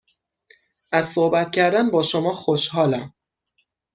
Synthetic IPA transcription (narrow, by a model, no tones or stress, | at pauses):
ʔæz̥sohbæt̪cʰæɾd̪ænbɒːʃomɒːxoʃhɒːlæm